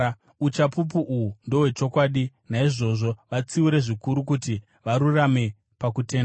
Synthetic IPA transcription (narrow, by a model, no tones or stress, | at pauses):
ut͡ʃapup̬uʔuundo̞we̞t͡ʃo̞kwaːɗi | naiʐo̞ʐo̞ʋat͡siuɾe̞ʐikuɾuk̬uti | ʋaɾurame̞ | pakute̞ːnda